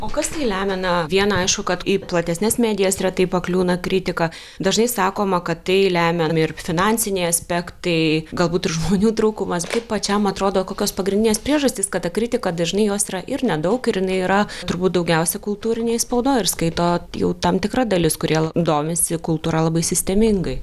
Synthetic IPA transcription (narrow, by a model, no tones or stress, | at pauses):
oːkɐst̪ɐɪlʲæːmʲɛnɐʋʲiɛnɐɐɪʃkʊkɐt̪iplˠɐt̪ʲɛsʲnʲɛsmʲæːd̪ʲɪjɛsrʲɛt̪ɐɪpɐklʲuːnɐkɾʲɪt̪ʲɪkɐ | d̪ɐʒnɐɪsɑːkoːmɐkɐtt̪ɐɪlʲæːmʲɛmɪrfʲɪnɑnʲsʲɪnʲɛɪɐsʲpʲɛkt̪ɐɪɡɐlˠbuːt̪ɪrʒmoːnʲuːt̪ɾuːkʊmɐst̪ɐɪppɐt͡ʃʲɛmɐt̪ɾoːd̪oːkoːkʲoːspɐɡɾʲɪnʲd̪ʲɪnʲeːspɾʲiɛʒɐsʲt̪ʲɪskɐt̪ɐkɾʲɪt̪ʲɪkɐd̪ɐʒʲɪnɐɪjoːsiːɾɐʔɪrnʲɛd̪ɐʊkɪɾjɪnɐɪiːɾɐt̪ʊɾbuːt̪̚d̪ɐʊɡʲɛʊsʲɛkʊlˠt̪uːɾʲɪnʲeːspɐʊd̪oːɪrskɐɪt̪oːjɛ̰ʊt̪ɐmt̪ʲɪkrɐd̪ɐlʲɪskʊɾʲiɛlˠɐd̪oːmʲɪsʲɪkʊlˠt̪uːɾɐlˠɐbɐɪsʲɪsʲt̪ʲɛmʲɪŋɡɐɪ